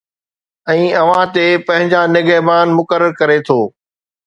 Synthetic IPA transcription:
ɛ̃ːɐʋ̤ãt̪epɐ̃ɦɪ̃ɲd͡ʑanɪɡəːbaːnmʊkəɾəɾkɐɾet̪ʰoː

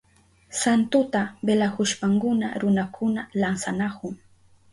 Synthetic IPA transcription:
sant̪ʊt̪abelahʊʃpaŋkʊna̰ɾʊnakʰʊnalansanakʊŋ

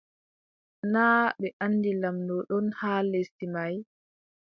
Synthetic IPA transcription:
naːɓɛʔanːdilamdɔɗɔnhaːlesimaj

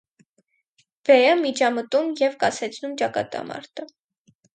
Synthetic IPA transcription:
v̥ɛjəmit͡ʃʰɑmət̪umjɛvkɑsɛt͡sʰnumt͡ʃɑkɑ̰t̪ɑ̰mɑ̰ɾt̪ʰə

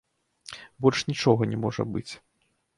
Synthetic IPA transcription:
bɔlʂnʲit͡ʂɔɣɐnʲɛmɔʐɐ̰bɨt͡sʲ

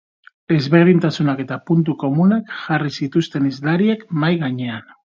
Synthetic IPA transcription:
e̞zβe̞ɾð̞int̪asunake̞t̪apunt̪̬uko̞munakʝarisit̪ust̪e̞nizlaɾiekmajɣaɲe̞an

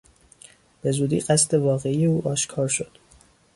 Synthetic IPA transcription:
b̥e̞zuːd̪ḭːɢæst̪e̞vɒːɣe̞iːjeuːʔɒːʃkʰɒːɾʃo̞d̪̥

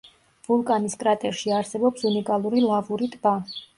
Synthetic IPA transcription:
vulˠkʼaniskʼɾat̪ʼɛɾʃiaɾsɛbɔpsunikʼalˠuɾilˠavuɾit̪ʼba

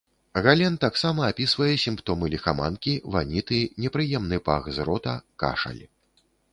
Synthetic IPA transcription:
ɣalʲɛnt̪aksamɐːpʲisvɐjɛsʲimpt̪ɔmɨlʲixama̰nkʲivanʲit̪ɨnʲɛpɾɨjɛmnɨpa̰ɣzɾɔt̪ɐka̰ʂɐ̰lʲ

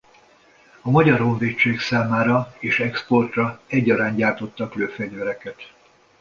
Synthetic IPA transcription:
ɒmɒɟɒɾɦo̞ɱveːt͡ʃːeːksaːmaːɾɒeːʃɛkspo̞rt̪rɒɛɟːɒɾaːɲɟaːrt̪o̞t̪ːɒkløːfɛɟvɛɾɛkɛt̪

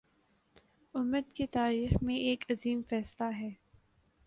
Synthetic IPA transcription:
ʊmːəd̪ket̪aːɾiːxmẽʔeːkɐziːmfɛːslaɦɛː

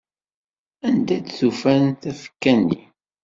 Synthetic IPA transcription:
ænd̪æd̪θufænθæfə̥kːænːḭ

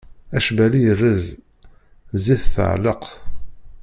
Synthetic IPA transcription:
æʃbælijərːəz | ziθθə̰ʕləq

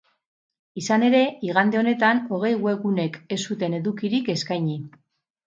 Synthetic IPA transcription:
isane̞ɾe̞iɣ̞and̪e̞o̞ne̞t̪ano̞ɣ̞e̞jɣwe̞ɣune̞ke̞sut̪e̞ne̞ðukiɾike̞skajɲi

